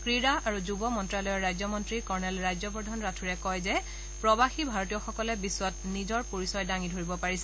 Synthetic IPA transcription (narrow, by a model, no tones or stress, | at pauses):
kɹiɹaaɹuzubɔmɔntɹalɔjɔɹːajzɔmɔntɹikɔɹnɛlɹajzɔbɔdʱɔnɹatʰuɹɛkɔjzɛ | pɹɔbaxibʱaɹɔtijɔxɔkɔlɛbisːwɔt̚nizɔɹpoɹisɔjdaŋidʱoɹibɔpaɹisɛ